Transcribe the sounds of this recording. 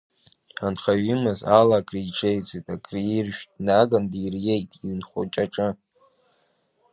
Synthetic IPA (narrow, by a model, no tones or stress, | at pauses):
anχaɥimɨzalakʼriʈ͡ʂʰʼejt͡sʼitʼakʼrirʒᶣnaɡandirjejtʼiɥnχʷo̰t͡ʃʼaʈ͡ʂʼɨ